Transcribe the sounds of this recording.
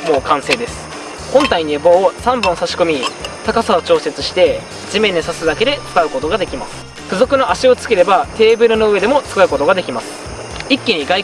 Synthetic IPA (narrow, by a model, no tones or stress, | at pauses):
mo̞ːkãɰ̃se̞ːd̪e̞sɨ̥ | hõ̞nt̪aiɲ̟ieboːsãmbɯ̃ɰsaɕi̥ko̞mʲit̪akasao̞t͡ɕo̞ːse̞t͡sɨɕi̥t̪e̞ | d͡ʑimẽ̞ɲ̟ːisasɨd̪ake̞d̪e̞t͡sɨ̥kaɯ̟ko̞t̪o̞ɡad̪e̞kʲimasɨ̥ | kɯ̟zokɯ̟no̞ʔaɕio̞t͡sɨ̥ke̞ɾe̞bat̪e̞ːbɯ̟ɾɯ̟no̞ɯ̟e̞d̪e̞mo̞t͡sɨ̥kaɯ̟ko̞t̪o̞ɡad̪e̞kʲimasɨ̥ | ikʲːiɲ̟iɡai